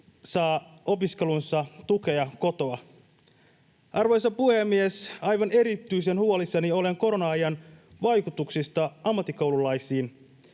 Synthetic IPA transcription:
sɑːo̞piske̞lunsɑt̪uke̞ɑko̞t̪o̞ɑ | ʔɑrʋo̞jsɑpuhe̞mːiesɑjʋɑne̞ɾit̪ːˑyjsenhuolisːɑnio̞le̞ŋko̞ɾonɑɑjɑnʋɑjkut̪uksist̪ɑɑmːɑt̪ːiko̞wlulːɑjsiːn

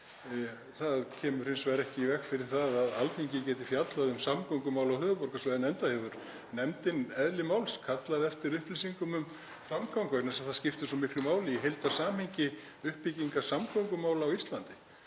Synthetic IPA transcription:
θaðcʰɛːmʏɾ̥hɪnsvɛːɾɛhcɪivɛxfɪɾɪɾ̥θaðaðalθʰiɲcɪcɛːt̪ɪfjat̪laðʏmsamkʰɔŋkʏmaːwlawhœːvʏpɔɾ̥kasvajðɪnɛnt̪ahɛvʏɾ | nɛmt̪ɪnɛðlɪmawlskʰat̪laðɛft̪ɪɾʏhplisiŋkʏmʏm | fɾamkʰawŋkvɛɾnɛsaðθascɪft̪ʏsɔmɪklʏmaːwlɪjɛɦejlt̪asaːmhejɲcɪ | ʏhpːiciŋkasamkʰawŋkʏmaːwlaːwist̪lant̪ɪ

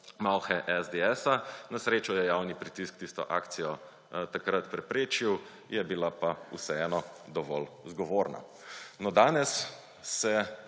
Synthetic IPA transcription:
mawxɛʔɛzd̪eɛːsanasɾeːt͡ʃɔjɛjawnipɾit̪iskt̪ist̪ɔ̰ʔa̰ːkt̪sijɔ | t̪akɾat̪pɾɛpɾeːt͡ʃiw | jɛbilapausɛɛːnɔd̪ɔʋɔ̰lzɡɔʋoːɾna̰ | nɔd̪aːnɛsː | ɛ

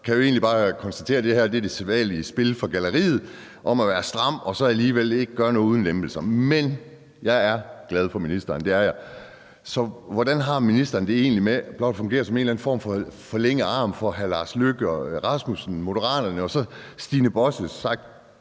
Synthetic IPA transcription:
kʰæjoe̝ːnlib̥ɑ̈ːkʰɒ̽nsd̥æt͡sʰe̝̰ːɐd̥e̝hæɐ̰d̥e̝ɐd̥e̝seʋɛ̰ːliəsb̥e̝lfɒɡ̥æləʁḭːð̩ˠ | ʔɒ̽mæʋæːɐsd̥ʁɑ̈m̰ɒ̽sɒ̽æliːʋele̝ɡ̥əɡ̥ɶɐnɔːuð̞ˠn̩lemb̥l̩sɐmen | jɑ̈ɪæɐɡ̥lɛð̞ˠfɒ̽minisd̥ɐːnd̥e̝æɐjɑ̈ɪ | sɒ̽ʋɒdænɦɑ̈minisd̥ɐːn̩d̥e̝e̝̰ːnlimeb̥lɒ̽d̥fɔ̽ŋɡe̝̰ːɐsɒ̽me̝ːnlæn̩fɒ̰ːmfɒfɒ̽leŋ̰əɑ̈ːmfɒ̽ɦælɑ̈ːsløɡ̥əɒʁɑ̈smusn̩mo̝ɾəʁɑ̰̈ːdɐnəɒ̽sɒ̽sd̥iːnəb̥ɒ̽səsːɑ̈ɡ̥̚d̥

